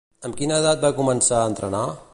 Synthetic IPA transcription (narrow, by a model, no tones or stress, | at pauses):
əmkinəːðat̪̚bakumənsaəːnt̪ɾəna